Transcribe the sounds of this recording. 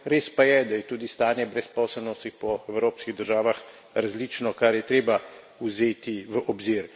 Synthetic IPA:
ɾeːspajɛd̪ajɛt̪uːd̪ist̪aːnjɛbɾɛspɔːsɛlnɔst̪ipɔɛwɾoːpskiɣd̪əɾʒaːʋax | ɾazliːt͡ʃnɔkaɾjɛt̪ɾeːba | uzeːt̪iʋəʔɔbziɾ

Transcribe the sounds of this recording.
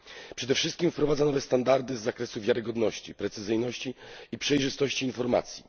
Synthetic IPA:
pʂɛd̪ɛfʂɘst̪̚kʲimfpɾɔvad̪zanɔvɛst̪and̪aɾd̪ɘzːakɾɛsuvʲjaɾɘɡɔd̪nɔɕt͡ɕipɾɛt̪sɘzɘjnɔɕt͡ɕiipʂɛjʐɘst̪ɔɕt͡ɕiːnfɔɾma̰t̪sʲji

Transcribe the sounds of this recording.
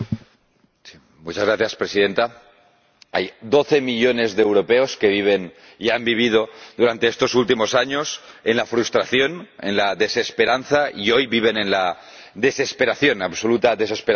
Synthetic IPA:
si | mut͡ʃazɣɾaθjaspɾesiðe̞nt̪a | a̰jd̪o̞θe̞miʎo̞ne̞zðeːwɾo̞peoskeβ̞iβ̞e̞n | iambiβ̞ið̞o̞d̪uɾant̪e̞est̪o̞sult̪imo̞saɲosenlafɾust̪ɾaθjo̞nḛnlaðe̞se̞spe̞ɾanθaio̞jβiβ̞e̞ne̞nla | ðe̞se̞spe̞ɾaθjo̞naβso̞lut̪aðe̞s̬e̞speɾa

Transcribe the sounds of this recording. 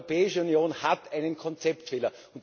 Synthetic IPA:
opɛːɪʃəunjoːnhatʰæɪnənkʰɔnt͡sɛptfeːlɐ | ʊ̃nt

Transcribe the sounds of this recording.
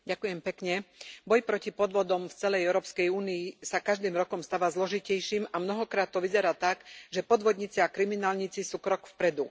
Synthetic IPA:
ɟakujɛmpɛkɲɛbɔjpɾɔcipɔd̪ʋɔd̪ɔmft͡sɛlɛjɛʊɾɔːpskɛjuːniisakaʒd̪iːmɾɔkɔmst̪aʋazlɔʒicɛjʃimamnɔɦɔkɾaːt̪ːɔʋizɛɾaːt̪aɡʒɛpɔd̪ʋɔd̪ɲit͡siakɾiminaːlɲit͡sisuːkɾɔkfpɾɛd̪u

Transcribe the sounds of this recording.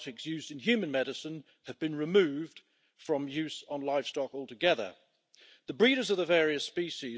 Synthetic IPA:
ɾɪksjʉːzdɨ̃nɦjʉmə̃nmɛɾɨsə̃n | ɨvbɨ̃nɹɨmʉːvd̥ | fɹə̃mjʉˑzn̩laɪv̥stɒkɔːlˠtʰəɡɛðə̰ | ðəbɹiːɾə˞zəvðəvɛːɹiɨspiˑʃi

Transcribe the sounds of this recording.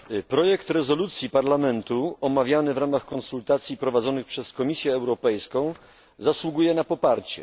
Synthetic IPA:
pɾɔjɛkt̪ɾɛzɔlut̪sʲjipaɾlamɛnt̪uɔmavʲjanɘvɾamaxkɔ̃nsult̪at̪sʲjipɾɔvad̪zɔnɘxpʂɛskɔmʲisʲjɛːwɾɔpɛjskɔ̃w̃ | zaswuɡujɛnapɔpaɾt͡ɕɛ̰

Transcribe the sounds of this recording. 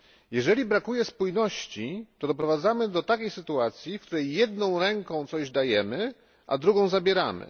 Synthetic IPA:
jɛʐɛlʲibɾakujɛspujnɔɕt͡ɕit̪ɔd̪ɔpɾɔvad̪zamɘd̪ɔt̪akʲejsɘt̪uat̪sʲjifkt̪uɾɛjːɛd̪nɔ̃w̃ɾɛŋkɔ̃w̃t̪sɔʑd̪ajɛmɘ | ʔa̰d̪ɾuɡɔ̃w̃zabʲjɛɾamɘ̰

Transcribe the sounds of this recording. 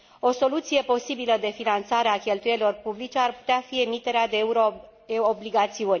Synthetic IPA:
o̞so̞lut̪sije̞po̞sibiləd̪e̞finant̪saɾeakʲe̞lt̪ujeɾilo̞rpublit͡ʃe̞arpu̥t̪eafie̞mit̪e̞ɾead̪euɾ | obliɡat̪siunʲ

